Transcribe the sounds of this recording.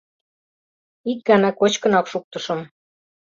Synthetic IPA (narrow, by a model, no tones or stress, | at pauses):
ik̚ɡɑnɑkot͡ɕkɤ̆nɑkʃuk̚t̪ɤ̆ʃɤ̆m